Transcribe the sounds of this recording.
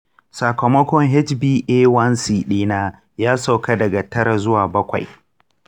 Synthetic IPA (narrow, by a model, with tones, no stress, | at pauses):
sa˨kɐ˨mɐ˦kʷɔ˦ŋɦɛ˦t͡ʃbiː˦ʔeː˦wɐ˦nsiː˨ɗiː˦naː˦ | jaː˦sa˨wka˦dɐ˨ɡa˨tɐ˦ɾa˨zʊ˦waː˨bɐ˦kʷa̰˨j